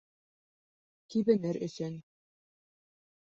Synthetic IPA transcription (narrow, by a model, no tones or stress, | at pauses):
kiβɘ̆nɘɾɵ̆sɘn